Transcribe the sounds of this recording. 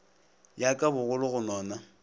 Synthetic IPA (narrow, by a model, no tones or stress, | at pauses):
jakʼabʊɣʊlʊɣʊnɔːna